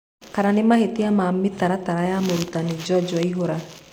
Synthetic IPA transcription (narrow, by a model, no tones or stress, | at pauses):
kaɾanimahet̪ijamaːmːit̪aɾat̪aɾajamoɾut̪anid͡ʒɔd͡ʒɔiɦoɾa